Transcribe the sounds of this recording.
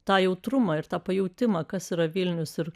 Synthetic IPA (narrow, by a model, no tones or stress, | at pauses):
t̪ɑːjɛʊt̪ɾʊmɑɪɾt̪ɑːpɐjɛʊt̪ʲɪmɐːkɐsiːɾɐʋʲɪlʲnʲʊsɪɾ